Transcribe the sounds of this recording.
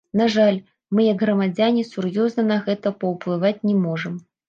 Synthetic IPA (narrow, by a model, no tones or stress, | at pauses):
naʐalʲ | mɨjɐɡɣɾɐmad͡zʲanʲisurjɔznɐnɐɣɛt̪ɐpɐwplˠɨvat͡sʲnʲɛmɔʐɨm